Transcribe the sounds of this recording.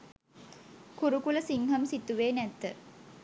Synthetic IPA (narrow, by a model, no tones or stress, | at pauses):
kuɾukuləsiŋɦəmsit̪uʋeːnæt̪ːə